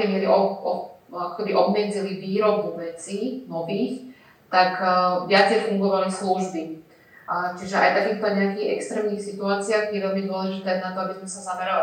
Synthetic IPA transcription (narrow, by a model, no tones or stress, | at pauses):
ɛjmɪɛɾiʔɔ | akɔ̥kɛbiʔɔbmɛd͡ziliʋiːɾɔbɔʋɛt͡sinɔʋiːx | t̪akʋɪat͡sjɛfuŋɡɔʋalisluʒbi | t͡ʃiʒɛʔa̰jft̪akiːxt̪ɔɲɛakiːɣɛ̰kst̪ɾɛːmniːxsit̪uaːt͡sɪaːɣjɛʋɛlmid̪ʊɔlɛʒit̪ɛanat̪ɔabizmɛsazamɛɾal